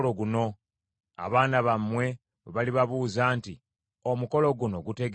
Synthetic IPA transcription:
loɡuno̞ | a̰βaːnaβamːwe̞ | βaliβaβuːzaːnti | o̞muko̞lo̞ɡuno̞ɡute̞ɡ

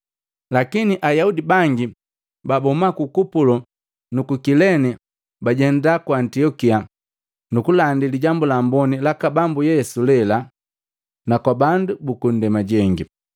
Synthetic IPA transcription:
lakiniʔajaudibaŋɡi | babɔmakukupulɔ | nukukilɛni | baɟɛndakwaːntiɔkia | nukulandiliɟambulambɔnilakabambujɛsulɛla | nakwabandubukun̩dɛmaɟɛŋɡi

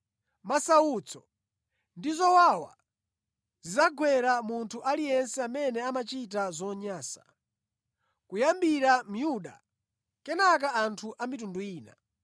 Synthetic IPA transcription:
masawut͡sʰɔ̥̰ | ndizɔwawa̰ | zizaɡwɛɾamuntʰuʔalijɛnsɛamɛnɛamat͡ʃitazɔɲaːsḁ | kujambiɾam̩juɗa̰ | kɛnak̬aantʰuʔamitunduiːna̰

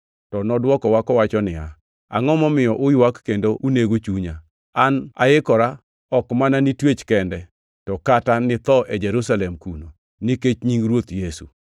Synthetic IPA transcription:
tɔnɔdwɔkɔwakɔwat͡ʃɔnɪa | a̰ŋɔmɔmɪjɔʔʊjwakːendoʔuneɡot͡ʃuɲa | ana̰ɪkɔɾa | ɔkmananitwet͡ʃkɛndɛ | tɔkatanɪt̪ɔʔɛd͡ʒɛɾusalɛmkuno | niket͡ʃɲiŋɾwot̪jesṵ

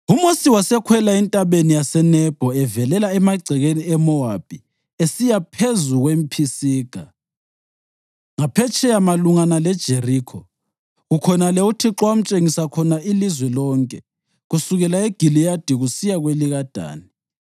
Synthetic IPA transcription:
umosiwasɛkʰwɛlaintʼaβenijasɛnɛb̥ʱɔɛvɛlɛlaɛmaɡ͡ǀʱɛɣeniɛmɔab̥ʱi | esijapʰezuɣwem̩pʰisiːɡ̥ʱa | ŋapʰɛt͡ʃʰʼɛamaluŋanalɛd̥ʒ̥ʱeriːkʰɔ | ukʰɔnalɛutʰiǁwam̩t͡ʃʼeŋisakʰɔnaʔilizwɛlɔːŋkʼɛ | ɣusuɣɛlaeɡ̥ʱilijad̥ʱiɣusijaɣweliɣad̥ʱa̰ːni

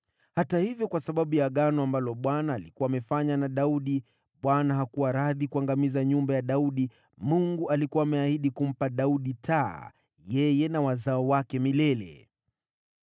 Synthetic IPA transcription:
hatahivjɔkwasaɓaɓujaɠanɔambalɔɓwanaːlikuwaːmɛfaɲanaɗauɗi | ɓwanaɦakuwaɾaðikuaŋɡamizaɲumbajaɗauɗi | muŋɡualikuwaːmɛahiɗikum̩paɗauɗitʰaː | jɛjɛnawazaɔwakɛmilɛlɛ̰

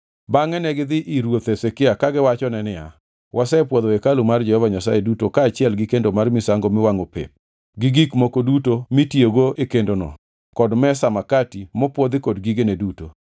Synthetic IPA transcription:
baŋɛnɛɡɪd̪ɪʔiɾwot̪esekɪakaɡɪwat͡ʃɔnɛnɪa̰ | wʔasɛpwɔðoekalumard͡ʒɛhɔvaɲasajedutokaːt͡ʃɪɛlɡɪkendomarmɪsaŋɡomɪwaŋopḛp̚ | ɡɪɡikmokodutomitjoɡoekendonɔ̰ | kɔdmɛsamakatimɔpwɔd̪ɪkɔdɡiɡenɛduto

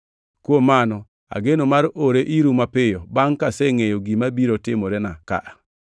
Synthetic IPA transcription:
kwomanɔ | a̰ɡenomaɾoɾeʔiɾumapɪjɔbaŋkasɛŋejoɡimabiɾɔtɪmoɾɛnaka̰ʔa

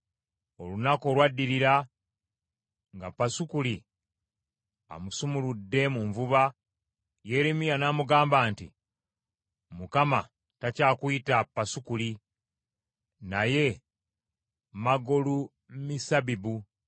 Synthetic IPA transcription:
o̞lunako̞ːlwadːiɾiɾa | ŋɡapːasukuli | a̰musumuludːe̞muɱvuβa | je̞ːɾemijanaːmuɡaːmbaːntḭ | mukama | tacaːkuitapːasukuli | naje̞ | maɡolu | misabibu

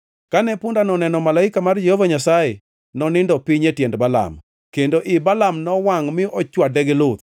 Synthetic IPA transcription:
kanɛpʊndanɔnɛnɔmalaɪkamard͡ʒehovaɲasaje | nɔnɪndɔpiɲetjɛndbala̰m | kendoʔɪbalamnɔwaŋmɪʔɔt͡ʃwadɛɡɪlʊt̪

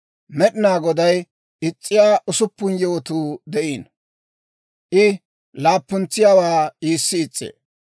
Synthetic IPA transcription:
mɛɗɪnaːɡɔd̪ɐj | ɪt͡sʼːɪjaːʔʊsʊpːʊnjowɔt̪uːd̪ɛʔiːn | ʔɪ | laːpːʊnt͡sːɪjaːwaːiːsːɪːt͡sʼːḛː

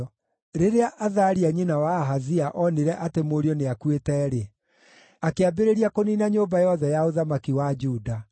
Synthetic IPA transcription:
ɾeɾeaʔaðaɾiaɲinawaɦaziaʔɔneɾɛʔatemoɾjɔneakwetɛːɾe | akeabeɾeɾiakoninaɲoːbajɔðɛjaoðamakiwad͡ʒuːda

